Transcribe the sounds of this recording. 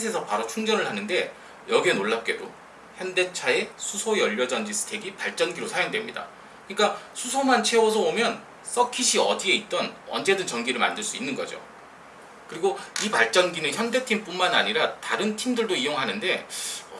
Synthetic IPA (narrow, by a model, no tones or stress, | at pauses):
s̬ʰe̞sʰʌpaɾot͡ɕʰuŋd͡ʑʌnɯɭhanɯnde̞ | jʌɡienoɭːap̚k͈e̞do | çjʌnde̞t͡ɕʰae̞sʰusʰoeʌʎːʌd͡ʑʌnd͡ʑisʰɯ̥tʰe̞ɡipaɭt͡ɕ͈ʌnɡiɾosʰajoŋdwe̞mɲida̰ | kɯɲik͈asʰusʰomant͡ɕʰe̞osʰʌomjʌn | s͈ʌkʰiɕʰiʌ̰die̞it̚t͈ʌnʌ̰nd͡ʑe̞dɯnt͡ɕʌŋɡiɾɯɭma̰ndɯɭs͈uinːɯnɡʌ̰d͡ʑo̰ | kɯɾiɡoipaɭt͡ɕ͈ʌnɡinɯnçjʌnde̞tʰimp͈unmanaɲiɾataɾɯntʰimdɯɭdoijoŋɦanɯnde̞ʌ